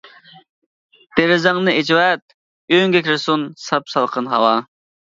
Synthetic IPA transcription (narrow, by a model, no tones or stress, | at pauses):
d̪̥eɾɪzɑŋnɨet͡ʃʰiwɛt̪̚ | øŋɡʲekʲɾɨsunsɑpsɑlˠqʰənɦɑwɑ